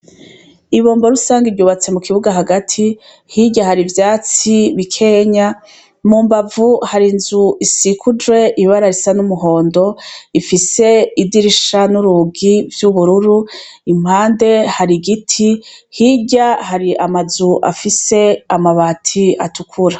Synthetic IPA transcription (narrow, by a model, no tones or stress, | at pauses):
iβo̞ːmbo̞ɾusaːŋɡiɾɟuːβat͡se̞mukiβuɡaɦaɡatʰi | hiɟahaɾivjaːt͡siβikʰe̞ɲa | muːmbavuhaɾinzuʔisikʰud͡ʒwe̞ʔiβaɾaɾisanumuɦo̞ːndo̞ifise̞idiɾiʃanuɾuɡivjuβuɾuɾu | im̥haːnde̞haɾiɡitʰihiɟahaɾiʔamazuʔa̰fise̞amaβatʰiatʰukʰuɾa